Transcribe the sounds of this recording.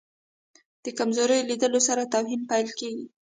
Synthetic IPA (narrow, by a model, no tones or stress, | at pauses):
d̪̥əkamzoɾəjlid̪əlosaɾat̪awɦinpajlkeɡi